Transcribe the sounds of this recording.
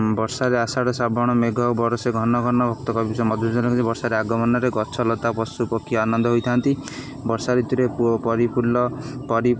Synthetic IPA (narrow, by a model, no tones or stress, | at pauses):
bɔɾsaɾeasaɽɔsabʱɔɽ̃ɔmeɡʱɔbɔɾɔseɡʱɔnɔɡʱɔnɔbʱɔkt̪ɔkɔbbisɔmɔd̪ʱud͡ʒɔlɔkd͡ʒebɔɾsaɾeaɡɔmɔnɔɾeɡɔt͡ʃʰɔlɔt̪apɔsupɔkʰːijɔanɔnd̪ʱɔɦojt̪ʰant̪i | bɔɾsaɾit̪uɾepupɔɾipulɔpɔɾi